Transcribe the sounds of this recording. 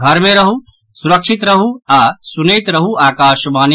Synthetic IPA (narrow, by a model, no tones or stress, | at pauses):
ɡʱɐɾmẽɾɐɦu | suɾɐkʃɪt̪ɾɐɦuaːsunejt̪ɾɐɦuaːkaːʃbaːn